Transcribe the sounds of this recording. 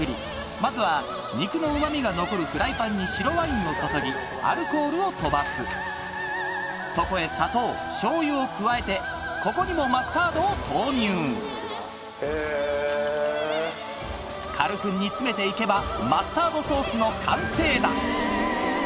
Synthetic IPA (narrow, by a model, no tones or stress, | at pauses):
ɯ̟ɾʲḭ | mazɨβa | ɲ̟ikɯ̟no̞ɯ̟mamʲiɡano̞ko̞ɾɯ̟kɯ̟ɾaipãɲ̟ːiɕiɾo̞βaĩno̞soso̞ɡʲi | a̰ɾɯ̟ko̞ːɾɯ̟o̞t̪o̞basɨ | so̞ko̞e̞sat̪o̞ː | ɕo̞ːjɯokɯ̟βae̞t̪e̞ | ko̞ko̞ɲ̟imo̞masɨ̥t̪aːd̪o̞ːt̪ʰoːɲɯː | kʰaɾɯ̟ɸɯ̟̃ɲ̟ːit͡sɨme̞t̪e̞ike̞bamasɨ̥t̪aːd̪o̞so̞ːsɨno̞kʰãɰ̃se̞ːd̪a